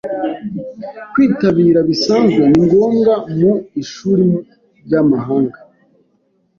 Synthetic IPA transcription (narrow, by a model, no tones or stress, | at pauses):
kwiːtaβiːɾaβisaːnzɡweniŋɡo̞ːŋɡamuiʃuːɾim | ɾɟamaɦaːŋɡa